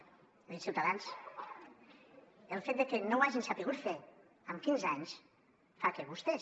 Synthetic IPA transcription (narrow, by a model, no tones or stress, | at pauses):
isiwt̪aðans | elˠfet̪̚d̪ekenowaʒinsapiɣut̪fe | əmkinzaɲs | fakeβust̪ɛ